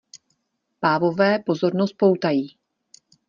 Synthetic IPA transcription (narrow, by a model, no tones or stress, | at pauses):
paːvo̞vɛːpo̞zo̞ɾnost̪̚po̞wt̪ajiː